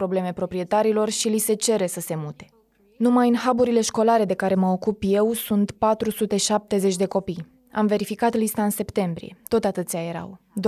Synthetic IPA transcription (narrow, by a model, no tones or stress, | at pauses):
pɾo̞ble̞me̞pɾo̞pɾije̞t̪aɾilo̞rʃilise̞t͡ʃe̞ɾe̞səse̞mut̪e̞̥ | numajɨnhabuɾile̞ʃko̞laɾe̞d̪e̞kaɾe̞məo̞kupje̞wsunt̪pat̪ɾusut̪e̞ʃap̚t̪e̞ze̞t͡ʃʲd̪e̞ko̞pij | a̰mve̞ɾifikat̪list̪aɨnse̞pt̪e̞mbɾḭje̞̰t̪o̞t̪at̪ɨt̪sijaje̞ɾa̰wd̪